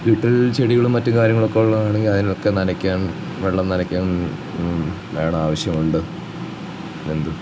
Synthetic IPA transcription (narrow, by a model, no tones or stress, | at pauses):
ʋiʈːɐlt͡ɕeɽiɣɐɭumːɐtːumkaːɾjɐŋːɐɭo̞kːeoɭːɐðaːɳeŋɡilɐðinilokːenɐnɐkʲːaːn | ʋeɭːɐmnɐnɐkʲːaːn | ʋeːɳɐaːʋɐɕjɐmuɳɖɨ | end̪ɨ